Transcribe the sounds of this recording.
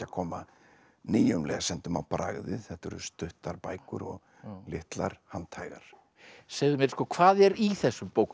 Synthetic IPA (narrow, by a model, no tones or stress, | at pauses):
akʰɔːma | niːjʏmlɛɣasɛnt̪ʏmawpɾa̰ɣðɪθɛht̪ɛɾʏ̰st̪ʏht̪aɾpaːjkʏɾɔɣ | lɪht̪laɾ̥hant̪ʰajɣaɾ̥ | seːɣðʏmjɛɾ̥skɔːkʰvaːðɛɾiθɛsːʏmpowk